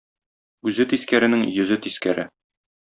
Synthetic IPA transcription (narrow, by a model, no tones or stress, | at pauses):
ʉzɘt̪iskæɾɘ̆nɘŋjɵ̆zɘt̪iskæɾɘ